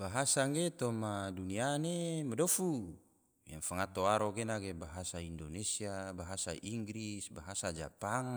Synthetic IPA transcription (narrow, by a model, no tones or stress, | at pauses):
baɦasaŋɡet̪omadunianemadofu | jaŋfaŋat̪oaɾokenakebaɦasaindonesiabaɦasaʔiŋɡɾisbaɦasad͡ʒa̰paŋ